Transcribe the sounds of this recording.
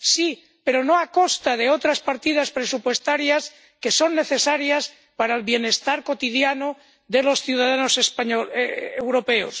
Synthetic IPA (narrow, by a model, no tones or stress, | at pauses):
si | pe̞ɾo̞no̞ako̞st̪að̞e̞o̞t̪ɾaspaɾt̪ið̞aspɾe̞supwe̞st̪aɾjas | ke̞so̞nːe̞θe̞saɾjas | paɾaelβje̞ne̞st̪aɾko̞t̪iðjano | ðe̞lo̞sθjuðaðano̞sespaɲoewɾo̞pe̞o̰s